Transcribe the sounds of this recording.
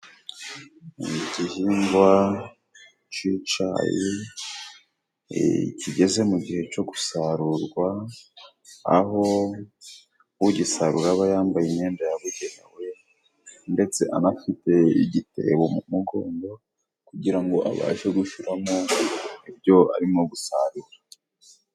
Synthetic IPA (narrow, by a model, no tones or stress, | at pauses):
ɟihiːŋɡwa | t͡ʃit͡ʃa̰ːji | cʰiɟe̞ze̞muɟihe̞t͡ʃo̞ɡusaɾuɾɡwa | ho̞ | βuɟisaɾuɾaβajaːmbajeɲeːndajaβuɡenḛwe̞ | nde̞t͡se̞ʔa̰nafite̞ḭɟite̞̰βomumuɡo̞ːndo̞ | kuɟiɾaŋɡo̞ʔa̰βa̰ːʒeɡuʃuɾamoibjo̞a̰ɾimoɡusa̰ɾuɾa